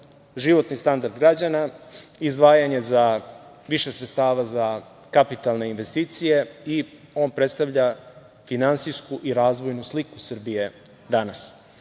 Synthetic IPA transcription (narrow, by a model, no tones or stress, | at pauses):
ʒiʋo̞t̪nist̪and̪aɾd̪ɡɾad͡ʑanaizd̪ʋaːjaɲe̞za | ʋiʃesɾet̪st̪aːʋaza | kapit̪alˠne̞inʋest̪iːt̪sije̞i | o̞ːnpɾet̪st̪aʋʎa | finansijskuʔiɾaːzʋo̞jnuslikusr̩bije | d̪anas